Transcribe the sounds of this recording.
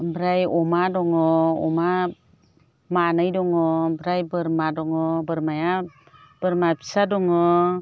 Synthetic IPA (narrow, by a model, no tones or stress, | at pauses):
bɾajɔmadɔŋɔɔ̰ma | maːnajdɔŋɯbɾajbɯɾmadɔŋɯbɯɾmaja | b̥ɯɾmapʰi̥sadɔŋɯ